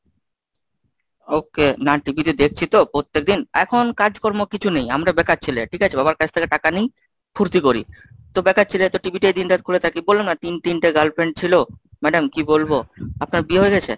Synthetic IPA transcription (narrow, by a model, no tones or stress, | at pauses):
okenaʈibʱit̪id̪ek̚ʰt͡ɕʰit̪opɾot̪ːek̚d̪inɛkʰonkad͡ʑkɔɾmokit͡ɕʰunejamɾabɛkat̚t͡ɕʰileʈʰikat͡ɕʰebaβaɾkat͡ɕʰt̪ʰekeʈakanij | kʰuɾt̪ikoɾḭ | t̪obɛkat̚t͡ɕʰilet̪oʈibiʈed̪inʈat̪kʰulet̪ʰakibolːemnat̪int̪inʈeɡalpeɳʈ̚t͡ɕʰilomɛɖamkibolboapnaɾbieɦoeɡɛt͡ɕʰḛ